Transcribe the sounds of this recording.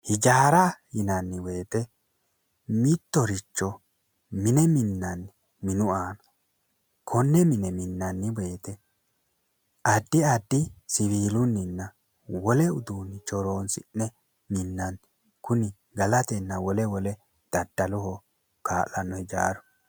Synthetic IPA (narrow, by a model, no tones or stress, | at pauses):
hɪd͡ʒaːɾahɪnɐnːɪwe̞ːt̪ɛ | mɪt̪ːɔɾɪt͡ʃːɔ | mɪnɛmɪnːɐnːɪ | mɪnʊaːnɐ̥ | kʰɔnːɛmɪnɛmɪnːɐnːɪwe̞ːt̪ɛ | ɐd̪ːɪɐd̪ːɪsɪβiːlʊnːɪnːɐ | wɔlɛʊd̪uːnːɪt͡ʃɔɾo̞ːnsɪnːɛ | mɪnːɐn | kʊnɪ | ɡɐlɐt̪ɛnːɐwɔlɛwɔlɛ | d̪̥ɐd̪ːɐlʊhɔ | kaːʔɐnːɔhɪd͡ʒa̰ːɾɔ